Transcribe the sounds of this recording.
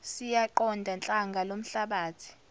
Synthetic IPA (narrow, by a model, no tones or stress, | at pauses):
sijaǃɔndʱant͡ɬʼaŋɡʱalom̩ɬaɓaːtʰi̥